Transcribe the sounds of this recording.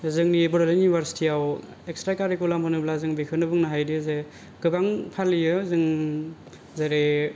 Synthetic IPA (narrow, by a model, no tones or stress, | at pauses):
zɯŋnibɯɾalinubʱaɾsi̥tʰiaw | ekstɾakaɾikulamɯnɯblazɯŋbikʰɯnɯbɯŋnaɦajdize | ɡ̥ɯbaŋpʰalːijɯzɯŋ | zaɾe